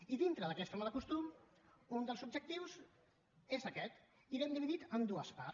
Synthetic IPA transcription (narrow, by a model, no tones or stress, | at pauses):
iðint̪ɾəðəkɛst̪əmaləkust̪um | und̪əlˠzub̚d͡ʒək̚t̪iwz | ezəkɛt̪ | iɾɛmd̪iβiðit̪əmd̪uəspa